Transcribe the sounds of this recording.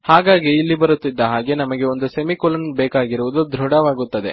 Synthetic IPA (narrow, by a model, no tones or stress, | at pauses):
haːɡaːɡiːlːibɐɾut̪ːid̪ːɐɦaːɡe̞nɐmɐɡe̞o̞nd̪usemikolɐnbeːkaːɡiɾuʋud̪ud̪ʱɾuɽɐʋaːɡut̪ːɐd̪e̞̰